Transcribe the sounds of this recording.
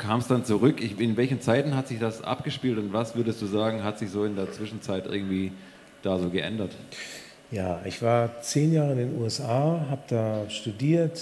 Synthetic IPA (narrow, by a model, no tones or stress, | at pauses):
kʰaːmsd̥ant͡suʁʏkɪɪnvɛlçnt͡saɪtn̩ɦatz̥ɪçd̥asʔa̰pɡ̥əʃpiːltʊntv̥asv̥ʏɐdəstd̥uːzaːɡŋ̩ɦatz̥ɪçz̥oːɪndeːɐt͡sv̥ɪʃn̩t͡saɪtʔɪ̰ɐɡŋ̩tv̥iː | d̥aːzoːɡəʔɛ̰ndɐt | jaːʔɪçv̥aːɐt͡seːnjaːʁəɪndeːnʔṵːɛsʔaːɦaːbəd̥aːʃtudiːɐt